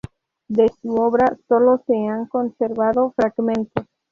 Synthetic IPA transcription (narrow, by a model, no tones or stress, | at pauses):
d̪esuoβɾaso̞lo̞seaŋko̞nseɾβaðofɾaɡmẽnt̪os